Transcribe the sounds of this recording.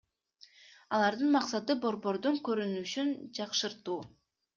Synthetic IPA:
ɑlˠɑɾd̪ɯnmɑqsɑt̪ɯbo̞ɾbo̞ɾd̪uŋkø̞ɾynyʃynd͡ʒɑqʃɯɾt̪uː

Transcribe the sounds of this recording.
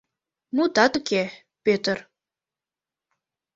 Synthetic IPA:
mut̪ɑt̪əke | pøt̪ər

